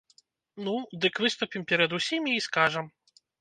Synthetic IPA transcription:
nud̪ɨkvɨst̪upʲimpʲɛɾɐd̪usʲimʲiːskaʐɐm

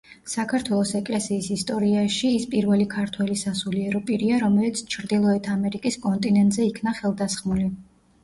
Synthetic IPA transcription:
sakʰaɾt̪ʰwɛlˠɔsɛkʼlɛsiːsist̪ʼɔɾiaʃiːspʼiɾvɛlikʰaɾt̪ʰwɛlisasuliɛɾɔpʼiɾiaɾɔmɛlit̪sʰt͡ʃʰɾd̪ilˠɔɛt̪ʰamɛɾikʼiskʼɔnt̪ʼinɛnt̪ʼzɛikʰnaχɛlˠd̪asχmuli

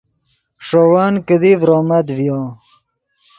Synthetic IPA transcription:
ʂowaːnkəd̪ivɾoːmɐd̪vjo

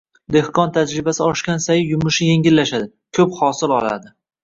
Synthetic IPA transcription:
d̪e̞hqʰɒnt̪ʰad͡ʒɾɪbasɪɒʃkʲansajɪjʊmʊʃɪje̞ŋɡʲɪlːaʃad̪ɪ | kʲʰɵphɒsɪlɒla̰d̪ɪ

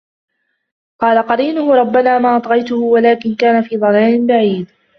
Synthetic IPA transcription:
qɑːlaqɑɾiːnʊhʊɾˤɑbːanaːmaːʔɑt̪ˤɣɑjt̪ʊhʊwalaːkɪnkaːnafiːd̪ˤɑlaːnɪnbaʕiːd̪

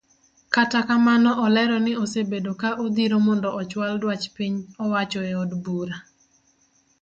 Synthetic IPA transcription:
katakamanɔʔɔlɛɾɔnɪosebedokaʔod̪iɾomɔndɔɔt͡ʃwaldwat͡ʃpiɲɔwat͡ʃɔeodbuɾa

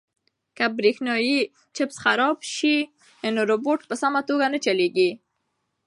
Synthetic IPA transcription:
kabɾexnɑji | t͡ʃɪpsxaɾɔbʃi | noɾoboʈpəsamat̪oɡanət͡ʃaleɡi

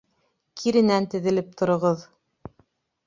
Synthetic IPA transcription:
kʰiɾɘ̆nænt̪ɘ̆ðɘ̆lɘp̚t̪ʰŏɾŏʁɤð

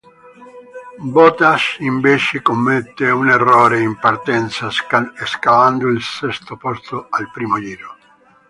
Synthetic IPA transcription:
bɔt̪aʃiɱvet͡ʃekomːet̪ːeunerːɔːɾeimpart̪ɛnt̪saeskavand̪oilsɛst̪opɔst̪oalpɾiːmod͡ʒiːɾo

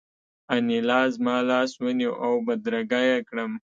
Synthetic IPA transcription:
anilɑzmɑlɑswəniʔawbad̪ɾaɡajakɽəm

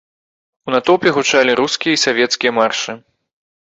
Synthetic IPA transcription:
unat̪ɔpʲɛɣut͡ʂalʲiɾuskʲijɐisavʲɛt̪skʲijɐmarʂɨ

